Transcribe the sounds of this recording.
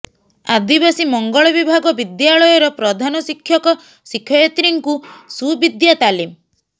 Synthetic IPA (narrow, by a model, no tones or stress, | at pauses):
ad̪ibasimɔŋɡɔɭɔbibʱaɡɔbid̪jaɭɔjɔɾɔpɾɔd̪ʱanɔsikʰːjɔkɔ | sikʰːjɔjet̪ɾiŋkusubid̪jat̪alim